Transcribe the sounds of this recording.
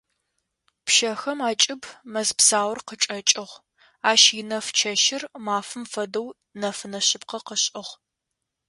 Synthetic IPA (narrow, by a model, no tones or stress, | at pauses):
pʃɐxɐmaːt͡ʃʼɪbmɐzpsaːwrqəʈ͡ʂʼɐt͡ʃʼɪʁ | aːʃjɪnɐft͡ʃʰɐʃɪrmaːfɨmfɐdɐw | nɐfɨnɐɕɪpqɐqəɕʼɪʁ